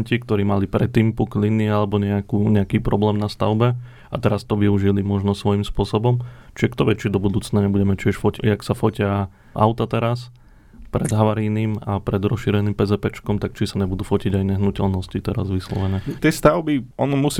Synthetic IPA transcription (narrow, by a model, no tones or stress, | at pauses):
ɲcikt̪ɔɾiːmalipɾɛt̪ːiːmpuklinialɛbɔɲɛakuːɲɛakiːpɾɔblɛːmnast̪aʊbɛ | a̰t̪ɛɾast̪ɔʋiuʒilimɔʒnɔsʋɔimspʊɔsɔbɔmt͡ʃiɛkt̪ɔʋɛt͡ʃid̪ɔbud̪uːt͡snaɲɛbuɟɛmɛt͡ʃɪɛʃfɔciaksafɔcɪa | ʔa̰ʊt̪at̪ɛɾas | pɾɛd̪ɦaʋaɾiːnimapɾɛd̪ɾɔsʃiɾɛniːmpɛzɛpɛt͡ʃkɔmt̪akt͡ʃisaɲɛbud̪uːfɔciɟajɲɛɦnucɛlnɔscit̪ɛɾazʋislɔ̰ʋɛɲɛt̪ɪɛst̪aʊbiɔnɔmus